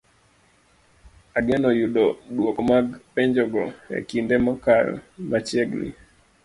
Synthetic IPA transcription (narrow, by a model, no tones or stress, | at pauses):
aɡɛnɔjuɗɔɗwokɔmaɡpɛɲd͡ʒɔɡɔɛ̰kindɛmɔkalmat͡ʃɛɡnḭ